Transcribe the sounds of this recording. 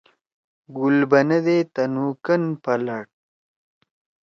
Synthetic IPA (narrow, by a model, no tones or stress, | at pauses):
ɡʊlbɐnɐd̪et̪ɐnukənpɐlɐɽ